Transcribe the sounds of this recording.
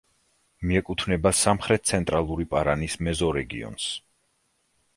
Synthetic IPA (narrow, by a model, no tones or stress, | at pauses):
miɛkʼut̪ʰvnɛbasamχɾɛt̪̚sʰɛnt̪ʼɾalˠuɾipʼaɾanismɛzɔɾɛɡḭɔ̰ns